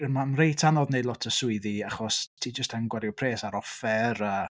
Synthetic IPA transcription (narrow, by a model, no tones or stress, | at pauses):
ɪmanrejtʰanɔðneɨdlɔtʰəsʊɨðiaχɔstʰiːd͡ʒəstʰanɡwɛɾjupʰreːsaɾɔfɛrəː